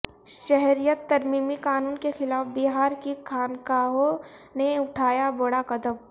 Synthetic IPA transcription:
ʃɛɦɾijət̪ːɐɾmiːmikaːnuːnkexɪlaːfbɪɦaːɾkikʰaːnkaːɦoneʊʈʰaːjaboɽakɐd̪əm

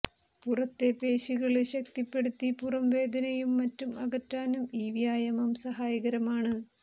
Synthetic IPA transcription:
purɐt̪ːepe̞ːɕiɣɐɭɕɐk̚t̪ipːe̞ɽut̪ːipurɐmʋe̞ːd̪ɐnɐjumːɐtːumɐɣɐtːaːnumiːʋjaːjɐmɐmsɐɦaːjɐɣɐɾɐmaːɳɨ

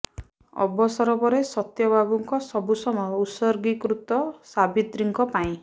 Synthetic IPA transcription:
ɔ̰bɔsɔɾɔpɔɾesɔt̪jɔbʱabuŋkɔsɔbusɔmɔjɔusɔɾɡikɾut̪ɔsabit̪ɾiŋkɔpaĩ

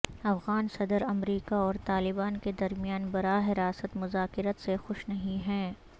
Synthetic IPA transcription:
ɐfɣaːnsɐd̪əɾɐmɾiːkaɔːɾt̪aːlɪbaːnked̪ɐɾmijaːnbɐɾaːɦɪɾaːsət̪mʊzaːkɪɾət̪sexʊʃnɐɦĩɦɛ̃ː

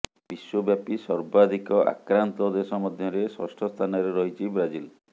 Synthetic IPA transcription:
biswɔbjapisɔɾbad̪ʱikɔʔa̰kɾant̪ɔd̪esɔmɔd̪ʱjɔɾeswɔ̰sʈʰɔst̪ʰanɔɾeɾɔɦit͡ʃʰibɾad͡ʒil

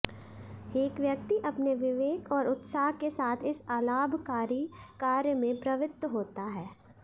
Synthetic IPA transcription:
eːkʋjək̚t̪iʔɐpneʋɪʋeːkɔːɾʊt̪saːɦkesaːt̪ʰɪsaːlaːbʱkaːɾikaːɾjəmẽpɾɐʋɪt̪ːɦoːt̪aɦɛː

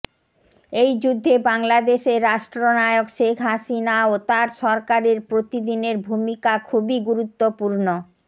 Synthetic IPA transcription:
ejd͡ʑud̪ʱːebaŋlad̪eʃeɾɾaʃʈɾonaeokʃekʰɦaʃinaot̪aɾʃɔɾkaɾeɾpɾot̪id̪ineɾbʱumikakʰubiɡuɾut̪ːopuɾno

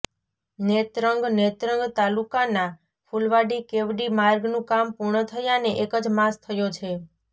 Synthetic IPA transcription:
net̪ɾəŋɡnet̪ɾəŋɡt̪alukana | fʰulʋaɖikeʋɖimaɾɡnũkampuɾɳət̪ʰəjaneʔekəd͡ʒmast̪ʰəjot͡ʃʰe

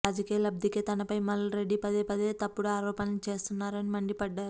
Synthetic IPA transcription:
aːd͡ʒɐkijɐlɐb̚d̪ʱiket̪ɐnɐpɐjmɐlːɐɾeɖːipɐd̪eːpɐd̪eːt̪ɐpːuɽaːɾɔːpɐnɐlut͡ʃe̞ːst̪unːaːɾɐnimɐɳɖipɐɖːaːɾu

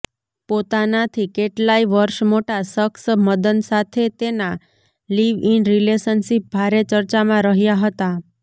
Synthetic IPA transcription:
pot̪anat̪ʰikeʈlaiʋəɾʃmoʈasəksməd̪ənsat̪ʰet̪ena | liʋinɾilesənʃip̚bʱaɾet͡ʃəɾt͡ʃamãɾəɦjaɦət̪a

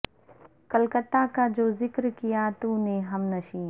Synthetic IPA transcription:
kɐlkət̪ːakad͡ʒoːzɪkɾkijat̪ũːneɦɐmnɐʃĩː

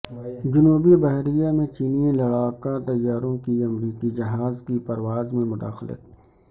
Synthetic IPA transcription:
d͡ʒʊnuːbibɐɦɾijamẽt͡ʃiːnijẽlɐɽaːkat̪ɐjːaːɾõkiɐmɾiːkid͡ʒɐɦaːzkipɐɾwaːzmẽmʊd̪a̰ːxlɪ̰t̪̚

